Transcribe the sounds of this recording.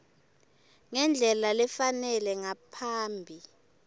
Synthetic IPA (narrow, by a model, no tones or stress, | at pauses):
ŋɛnd͡ɮʱɛlalɛfanɛlɛŋapʰaːmbʱi